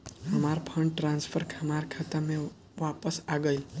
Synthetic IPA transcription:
ɦəmaɾpʰəɳɖʈɾãnsfʰəɾkʰamaɾkʰat̪əmẽ | ʋapəsaɡəjl

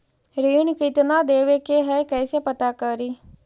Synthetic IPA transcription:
ɾiːɳkit̪nad̪eːʋekeɦɛjkəjsepət̪akəɾi

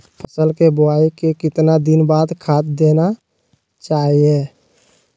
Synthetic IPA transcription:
pʰəsəlkebʊaːikekɪt̪nad̪ɪnbaːd̪kʰaːt̪̚d̪eːna | t͡ʃaːɦie

